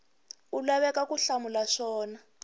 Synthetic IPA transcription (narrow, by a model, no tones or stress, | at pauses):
ulaβɛkakuɬamulaʂɔːna